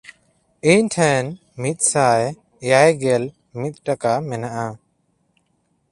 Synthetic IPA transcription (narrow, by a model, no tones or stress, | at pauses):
iɲʈʰɛ̃n | mit̪̚ˀsaj | jajɡɛl | mit̪̚ʈakamɛnaʔa